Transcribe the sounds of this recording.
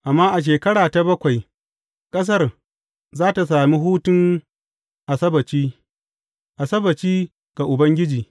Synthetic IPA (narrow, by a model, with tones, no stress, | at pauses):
ʔa˨mːaː˦ʔa˨ʃ̬eː˨kɐ˦ɽaː˨ta˨bɐ˦kʷa˨j | kʼɐ˦s̬ɐ˦r | zaː˦ta˨s̬aː˨mi˦ɦuː˦tʊ˦ŋ | ʔa˨sɐ˦bɐ˨t͡ʃiː˦ | ʔa˨sɐ˦bɐ˨t͡ʃiː˦ | ɡ̥a˨ʔʊ˨bɐ˦ŋɡʲɪ˦d͡ʒiː˨